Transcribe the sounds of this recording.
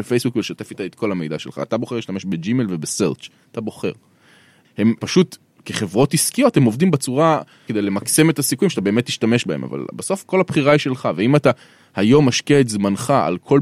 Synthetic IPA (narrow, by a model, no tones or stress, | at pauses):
efejsbukveleʃate̞fit̪aet̪kʰolhame̞jd̪a̰ʃelχa̰ːt̪abo̞χeliʃtameʃbed͡ʒimelvebeseʁt͡ʃat̪abo̞χe̞̰ʁ | he̞mpaʃut | keχe̞vʁo̞tiskijo̞the̞mo̞vdimbet͡suʁa | ked̪ejle̞makse̞me̞tasikujimʃatabe̞ːme̞t̪ːiʃtame̞ʃbaḛma̰va̰lbaso̞fko̞lapχiʁaiʃe̞lχaveimata | hajo̞mːaʃkeetzmanχaa̰lkʰo̞